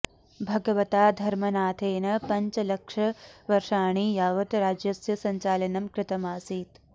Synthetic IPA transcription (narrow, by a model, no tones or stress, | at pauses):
bʱɐɡɐʋɐt̪aːd̪ʱɐɾmɐnaːt̪ʰeːnɐpɐɲt͡ʃɐlɐkʂɐʋɐɾʂaːɳ̃iːjaːʋɐt̪ɾaːd͡ʒjɐsjɐsɐɲt͡ʃaːlɐnɐmkɾɪt̪ɐmaːsiːt̪